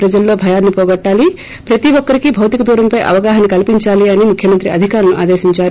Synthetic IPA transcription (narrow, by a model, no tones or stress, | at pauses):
pɾɐd͡ʒɐlːo̞ːbʱɐjaːnːipɔːɡɐʈːaːli | pɾɐt̪iʋɔkːɐɾikibʱɐwt̪ikɐd̪uːɾɐmpɐjʔɐ̰ʋɐɡaːɦɐnikɐlpiɲt͡ʃaːliɐnimukʰjɐmɐnt̪ɾiɐd̪ʱikaːɾɐnuʔaːd̪eːʃiɲt͡ʃaːɾu